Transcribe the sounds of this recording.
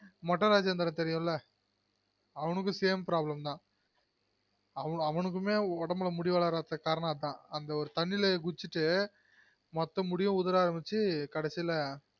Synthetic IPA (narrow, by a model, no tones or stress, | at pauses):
mɐʈːɐɾaːd͡ʒɐnd̪ɐɾɐ̃t̪ɛɾɪjʊ̃lɐ | ɐʋɐnɯk̬ːɯseːmpɾaːblɐmt̪ãː | ɐʋɐɐʋɐnɯk̬ːɯmeːɔɽɐmɐlɐmʊɽɪʋaːɭaːɾaːt̪ːɐkaːɾɐɳɐ̃ːt̪ːãːɐnd̪ɐɔɾɯt̪ɐɳːɪleɡʊt͡ʃːɯʈːɯ | mɐt̪ːɐmʊɽɪjʊ̃ʊðɐɾaːɾɐmbɪt͡ʃːɯkɐɽɛsːɪlɐ